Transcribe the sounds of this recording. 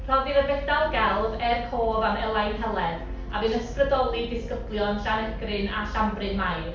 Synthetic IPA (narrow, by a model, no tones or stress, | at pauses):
r̥ɔðiðəbɛdalˠɡɛlˠvɛrkʰoːvamɛlˠajnɦɛlˠɛð | abɨːnəsprədɔlˠidɪskəblˠjɔnɬanɛɡrɨna̰ɬambrɨnmajr